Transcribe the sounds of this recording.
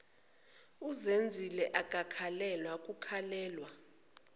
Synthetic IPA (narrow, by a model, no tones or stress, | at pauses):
uzend͡zʱilɛʔakʼakʰalɛlwakʼukʰalɛːlwa